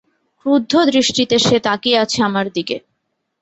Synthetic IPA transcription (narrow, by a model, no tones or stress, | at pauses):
ud̪ʱːod̪ɾiʃʈit̪eʃet̪akiat͡ɕʰeamaɾd̪ike